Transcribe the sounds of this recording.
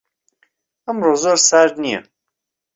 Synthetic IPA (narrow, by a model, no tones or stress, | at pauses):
əmɾoːzoɾsaɾnijɛ̰